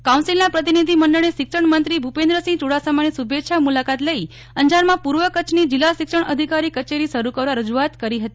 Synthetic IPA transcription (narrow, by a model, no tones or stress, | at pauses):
kãũnsilnapɾət̪̬inid̪ʱimənɖəɳ̃eʃɪkʃəɳmənt̪ɾibʱupẽnd̪ɾəsĩt͡ʃuɽasamanisubetʃʰamulakat̪ləi | əɲd͡ʒaɾmãpuɾʋəkət͡ʃʰnid͡ʒɪlːasɪkʂəɳəd̪ʱikaɾikət͡ʃeɾisəɾukəɾʋaɾəd͡ʒuat̪kəɾiɦət̪i